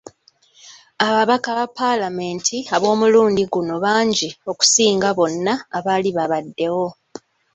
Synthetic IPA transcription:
aβaβakaβapːalame̞ːntʰiaβo̞ːmuluːndiɡuno̞βaːɲɟio̞ku̥siːŋɡaβo̞nːaːβaliβaβadːe̞wo̞

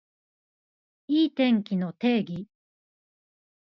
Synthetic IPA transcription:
iːt̪ẽ̞ŋkʲino̞t̪e̞ːɡʲi

